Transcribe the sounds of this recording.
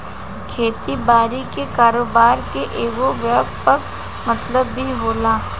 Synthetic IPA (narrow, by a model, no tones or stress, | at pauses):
kʰeːt̪ibaːɾikekaːɾoːbaːɾkeʔeːɡoʋəːbpɐk | mɐt̪ləbːʱiɦoːlaː